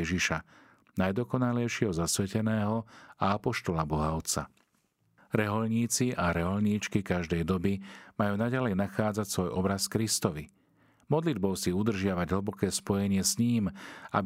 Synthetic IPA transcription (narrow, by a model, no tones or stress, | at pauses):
ɛʒiʃa | najd̪ɔkɔnalɛjʃɪɛɦɔzasʋɛcɛnɛːɦɔaapɔʃt̪ɔlabɔɦaʊt͡sa̰ | ɾɛɦɔlɲiːt͡siʔaɾɛɦɔʎɲiːt͡ʃkikaʒd̪ɛjd̪ɔbimajuːnaɟalɛjnaxaːd͡zacsʋɔjʔɔbɾaskɾist̪ɔʋi | mɔd̪lid̪̚bɔʊsiud̪r̩ʒɪaʋaɟɦl̩bɔkɛːspɔjɛɲɪɛsɲiːma̰b